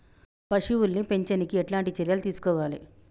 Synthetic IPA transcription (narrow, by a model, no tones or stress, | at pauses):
pɐʂiʋulnipe̞ɲt͡ʃɐnikieʈlaːɳʈit͡ʃeɾjɐlut̪iːsu̥kɔːʋaːlḭ